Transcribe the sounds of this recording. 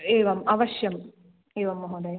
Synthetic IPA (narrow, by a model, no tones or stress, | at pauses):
eːʋɐmɐʋɐʂjɐm | eːʋɐmːɐɦoːd̪ɐj